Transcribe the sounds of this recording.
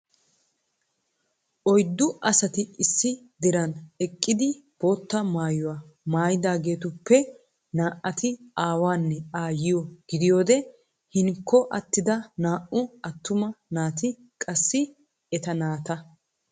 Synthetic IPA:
ʔɔjd̪ːʊʔɐsɐt̪ɪɪsːɪ | d̪ɪɾɐnɛkʼːɪd̪ɪb̥o̞ːt̪ːɐmaːjʊwamaːjɪd̪aːɡe̞ːt̪ʊpːɛ | naːʔːɐt̪ɪaːwaːnːɛaːjɪjɔɡ̥ɪd̪ɪjo̞ːd̪ɛ | hɪŋkʰːɔʔɐt̪ːɪd̪ɐnaːʔʊɐt̪ːʊmɐnaːt̪ɪ | kʼɐsːɪ | ɛt̪ɐnaːt̪ɐ

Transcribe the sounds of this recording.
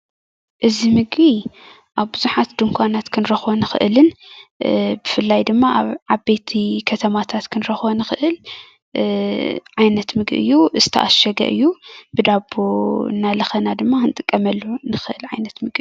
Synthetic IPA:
ʔɨzimɨɡbi | ʔaβbɨzuħat̪d̪ɨŋkʷʰanat̪kʰɨnɾɐxbonɨxɨ̰ʔɨlɨn | bɨfɨlːajd̪ɨmːaʔa̰βʕaβbet̪ʰikʰɐt̪ʰɐmat̪ʰat̪kʰɨnɾɐxbonɨxɨʔɨl | ʕajnɐt̪mɨɡɨ̰ʔɨ̰jːuʔɨzɨt̪ʰɐ̰ʔa̰ʃɐɡɐ̰ʔɨ̰jːubɨd̪abonːalɐxɐnad̪ɨmːakʰɨnt̪ʼɨkʼːɐmɐlːunɨxɨʔɨlʕajnɐt̪mɨɡi

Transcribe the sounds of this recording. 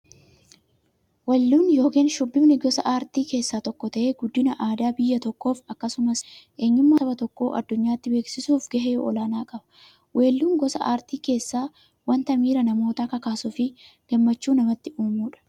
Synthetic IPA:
wɐlːuːnjo̞ːkiːnʃʊbːɪmnɪɡɔsɐʔaːɾt̪iːke̞ːsːaːt̪ɔkːɔt̪ɐʔe̞ːɡʊd̪ːɪnɐʔaːd̪aːbɪjːɐt̪ɔkːo̞ːfɐkːɐsʊmɐsʔe̞ːɲːʊmːaɐbɐt̪ɔkːo̞ːʔɐ̰d̪ːʊɲːaːt̪ːɪbe̞ːksɪsuːfɡɐɦe̞ːɔ̰laːnaːkʼɐbɐ̥ | wʔe̞ːlːuːŋɡɔsɐ̰ʔaːɾt̪iːke̞ːsːaː | wɐnt̪ɐmiːɾɐnɐmo̞ːt̪aːkɐkaːsʊfɪ | ɡ̥ɐmːɐt͡ʃːuːnɐmɐt̪ːɪuːmuːᶑɐ̥

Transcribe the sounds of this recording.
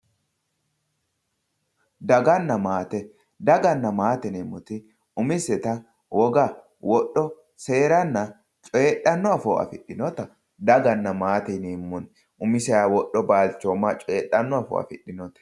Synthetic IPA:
d̪ɐɡɐnːɐmaːt̪ɛ | d̪ɐɡɐnːɐmaːt̪ɛnemːɔt̪ɪ | ʊmɪsɛt̪ɐ | wɔɡɐ | wɔɗːɔ | se̞ːɾɐnːɐ | t͡ʃʼeːɗːɐnːɔɐfɔɐ̰fɪɗːɪnɔt̪ɐ | d̪ɐɡɐnːɐmaːt̪ɛneːmːɔn | ʔʊmɪsɛjawɔɗːɔbaːlt͡ʃːɔmːɐt͡ʃʼeːɗɐnːɔɐfɔ̰ɐ̰fɪɗːɪnɔt̪ɐ̥

